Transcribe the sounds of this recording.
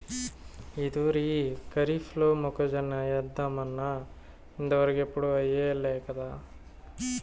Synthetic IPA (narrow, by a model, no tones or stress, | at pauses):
id̪uɾikɐɾifʰloːmɔkɐd͡ʒɐnːɐjɐd̪ːɐmɐnːɐ | ind̪ɐʋɐɾɐɡepuɽuʋɐjeɐlːekɐd̪a